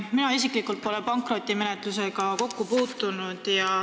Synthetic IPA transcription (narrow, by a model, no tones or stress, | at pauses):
minɑis̬ikˑlikːˑult̪̚po̞le̞pɑŋkro̞t̪ʲːˑime̞ne̞t̪ˑluse̞ɡ̥ɑko̞kːupuːt̪ːˑunud̪̥jɑ